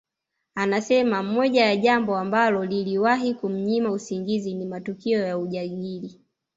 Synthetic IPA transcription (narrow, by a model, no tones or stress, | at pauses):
anasɛmamɔʄajaʄambɔambalɔliliwaɦikum̩ɲimausiŋɡizinimatukiɔjauʄaɠili